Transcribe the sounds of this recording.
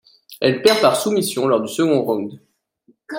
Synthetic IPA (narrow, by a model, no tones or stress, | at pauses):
ɛlpɛʁpaʁsumisjɔ̃lɔʁd̪ysəɡɔ̃ʁɔ̃d̪